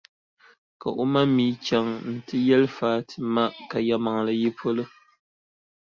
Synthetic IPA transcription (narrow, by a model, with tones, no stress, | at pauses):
ka̰˨ʔu˦ma˦miː˨˦t͡ʃa˨ŋn̩˨tɨ˦jɛ˦lfaː˦tɨ˨ma˦ʔka˨ja˦ma˨ŋla˨ji˦pʰo˦lɨ˦